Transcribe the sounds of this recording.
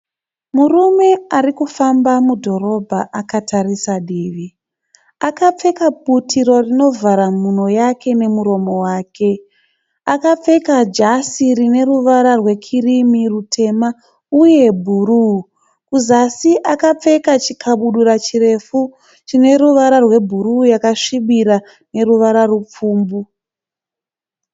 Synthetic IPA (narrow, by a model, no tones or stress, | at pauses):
murume̞arikufambamudʱo̞ɾo̞bʱaʔakatarisaɗiːʋi | akap͡fe̞kap̚utʰiɾo̞rino̞vʱaɾamuno̞jakʰe̞ne̞muɾo̞mo̞waːke̞ | akap͡fe̞kad͡ʒasirine̞ruʋaɾarwe̞kʰirimirutʰe̞ma | uje̞bʱuɾu | kuzasiʔakap͡fe̞kat͡ʃikʰaɓuɗuɾat͡ʃire̞fu | t͡ʃine̞ɾuʋaɾarwe̞bʱuɾujakaʂiɓiɾa | ne̞ruʋaɾarup͡fuːmbu